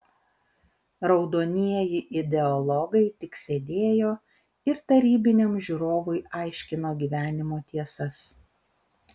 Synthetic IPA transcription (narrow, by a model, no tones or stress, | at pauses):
ɾɒʊd̪oːnʲiɛjɪʔɪd̪ʲɛɔlˠɔɡɐɪt̪ʲɪksʲed̪ʲeːjoː | ɪɾt̪ɐɾʲiːbʲɪnʲoːmʒʲuːɾoːʋʊɪɑˑɪʃʲkʲɪnoːɡʲiːʋʲæːnʲɪmoːt̪ʲiɛsɐs